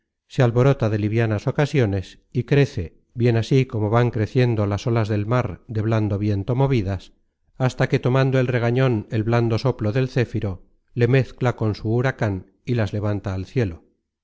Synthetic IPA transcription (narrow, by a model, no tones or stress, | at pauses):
sealβo̞ɾo̞t̪aðe̞liβjanaso̞kasjo̞ne̞s | ikɾe̞θe̞ | βje̞nasiko̞mo̞βaŋkɾe̞θje̞nd̪o̞laso̞lazðe̞lmaɾd̪e̞βland̪o̞βje̞nt̪o̞mo̞βiðas | ast̪ake̞t̪o̞mãnd̪o̞e̞lre̞ɣ̞aɲo̞ne̞lβland̪o̞so̞plo̞ðe̞lθe̞fiɾo̞ | le̞me̞θklako̞nsuːɾakan | ilazle̞β̞ant̪aːlθje̞lo̞